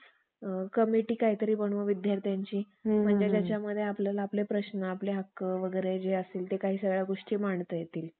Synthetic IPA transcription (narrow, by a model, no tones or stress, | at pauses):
kəmiʈiːkaɦit̪əɾiːbəɳ̃uʋəʋid̪ʱjaɾt̪jaɲt͡ɕiː | m̤əɳd͡ʑed͡ʑjat͡ɕjaməd̪ʱːjeapləlaaplepɾəɕnəapleɦakəʋəɡəɾed͡ʑeəseːlt̪ekaɦiːsəɡɭjaɡoʂʈiːmaɳt̪əjet̪iːl